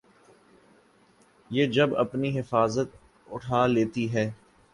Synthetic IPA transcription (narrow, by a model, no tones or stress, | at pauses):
jeːd͡ʒɐbɐ̰pniɦɪfaːzət̪̚ | ʊ̰ʈʰaːleːt̪iɦɛː